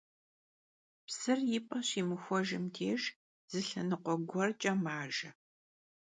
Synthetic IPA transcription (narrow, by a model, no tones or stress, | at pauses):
psɨrjɪpʼɐɕiːmɨxʷɔʒɪmtʰeːʒ | z̥ɨɬɐnɨqʷɔɡʷɔrt͡ʃʼɐmaːʒɐ